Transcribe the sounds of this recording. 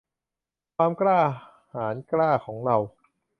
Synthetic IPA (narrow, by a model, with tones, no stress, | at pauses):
kʰwaː˧mklaː˥˩ | haː˩˦nklaː˥˩kʰɔː˩˦ŋɾa˧w